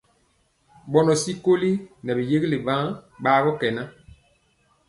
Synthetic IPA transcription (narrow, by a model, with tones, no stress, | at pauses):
ɓɔ˨nɔ˨si˦ko˦li˦nɛ˨bi˨je˦ɡi˦le˨bã˦ɓaː˦ɣɔ˦kɛ˨na˦